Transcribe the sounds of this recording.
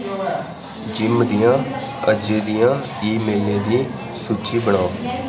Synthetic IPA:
d͡ʒɪmd̪ɪjãːəd͡ʒeːd̪ijãː | iːmeːlẽːd̪iː | suːt͡ʃʰiːbəɳaː

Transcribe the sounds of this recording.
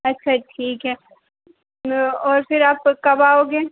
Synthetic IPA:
ɐtːʃʰaʈʰiːkɦɛː | ɔːɾfɪɾaːpkɐbaoːɡeː

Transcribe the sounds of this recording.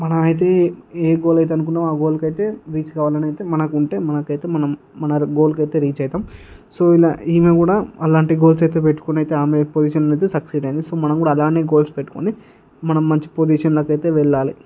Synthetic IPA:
mɐnɐmɐjt̪̬e̞ːeːɡo̞ːlɐjt̪̬eɐnuk̬unːaːmaːɡoːlkɐjt̪e̞ːɾiːt͡ʃkaʋaːlɐnɐjt̪e̞ːmɐnɐkuɳʈe̞ːmɐnɐkɐjt̪e̞ːmɐnɐmː | ɐnɐɡo̞ːlkɐjt̪e̞ːɾiːt͡ʃɐjɐt̪aːm | soːilaiːmeːkuːɽaːɐlaːɳʈiɡo̞ːlsɐjt̪e̞ːpeʈːu̥konɐjt̪eaːmepod͡ʒiːʃɐnɐɐjt̪̬eːsɐksiːɖɐjind̪isoːmɐnɐmkuːɽaːɐlaːɳiːɡo̞ːlspeʈːu̥ko̰ni | mɐnɐmːɐɲt͡ʃi̥pod͡ʒiːʂɐnlɐkɐjt̪e̞ːʋɛɭːaːli

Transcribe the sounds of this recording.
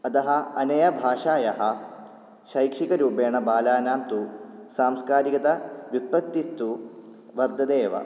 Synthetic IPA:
ɐt̪ɐɦɐ̆ɐnɐjɐbʱaːʂaːjɐɦɐ̆ | ʃɐjkʂikɐɾuːpeːɳɐbaːlaːnaːmt̪usaːmskaːɾikɐt̪ɐʋjut̪̚pɐk̚t̪ːist̪u | ʋɐɾd̪ʱɐd̪eːʋɐ̰

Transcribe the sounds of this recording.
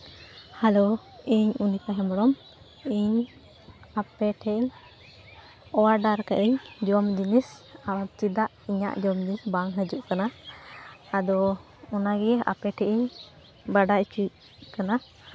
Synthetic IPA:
halo | iɲunik̪aɦɛmɔɽɔm | iɲ | apɛʈʰɛiɲ | ɔwaɖaɾkaʔɛɲd͡ʒɔmd͡ʒinisawat̪̚t͡ʃid̪aʔiɲa̰ʔd͡ʒɔmd͡ʒinisbaŋɦəd͡ʒuʔkanaː | d̪ɔ | ɔnaɡɛjɛʔa̰pɛʈʰɛʔiɲ | baɖaʔt͡ʃic | kana

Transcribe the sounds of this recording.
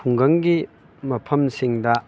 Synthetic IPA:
uŋɡɐŋɡi | mɐpʰɐmsiŋdɐ

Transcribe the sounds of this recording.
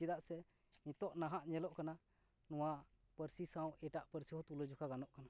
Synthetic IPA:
id̪aʔsɛ | nĩt̪ɔʔnaɦaʔɲɛlɔʔkana | nɔwaʔ | pəɾsisãw̃ɛʈaʔpəɾsiɦɔ̃t̪uləd͡ʒukaɡanɔʔkana

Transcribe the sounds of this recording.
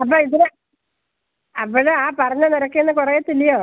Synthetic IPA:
ɐp̬ːoːiðiɾe | ɐpːoɽɨaːpɐrɐɲːɐniɾɐkːeenːɨkurɐjet̪ːilːijoː

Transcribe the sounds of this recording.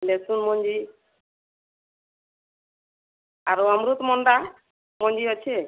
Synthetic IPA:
lesunmɔɲd͡ʒi | aɾuamɾut̪mɔɳɖa | mɔɲd͡ʒiɔt͡ʃʰe

